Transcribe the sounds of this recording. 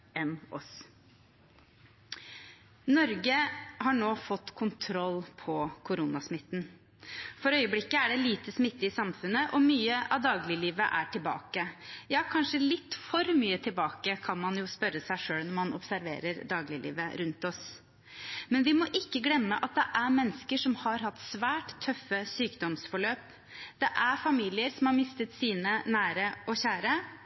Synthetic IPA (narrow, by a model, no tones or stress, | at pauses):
ɛnɔs | nɔɾɡəhɑɳoːfɔt̪ːkʰʊnt̪ʰɾɔlːpʰɔkʰʊɾuːnɑsmɪt̪ːn | fɔɾœʏəblɪkːəæɖɛliːt̪əsmɪt̪ːɪɪsɑmfʉnəʔɔmyːəʔɑʋd̪ɑːɡlɪliːʋəʔæʈɪlbɑ̰ːkəjɑːkʰɑnʂəlɪt̪ːfɔɾmyːət̪ʰɪlbɑːkəkʰɑnmɑnjʊspœɾəsæɪʂøːlnɔmɑnɔ̰psæɾʋḛːɾəɾd̪ɑːɡlɪlḭːʋəɾʉnt̪ɔs | mɛnʋɪmɔʔɪkːəɡlɛmːəʔɑt̪̚d̪ɛʔæɾmɛnːəskəʂɔmhɑɾɦɑt̪ːsʋæːʈt̪ʰːœfəsyːkd̪ɔmsfɔɭøːp | d̪̥ɛʔæɾfɑmiːlɪəɾsɔmhɑɾmɪst̪ət̪siːnənæːɾəʔɔçæːɾə